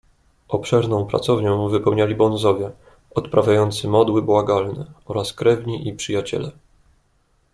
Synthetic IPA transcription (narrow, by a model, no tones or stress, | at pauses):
ʔɔpʂɛɾnɔ̃w̃pɾa̰t̪sɔvɲɔ̃w̃vɘpɛwɲalʲibɔ̃nzɔvʲjɛ | ɔt̪pɾavʲjajɔnt̪sɘmɔd̪wɘbwaɡalnɛɔɾaskɾɛvɲiʔipʂɘjat͡ɕɛ̰lɛ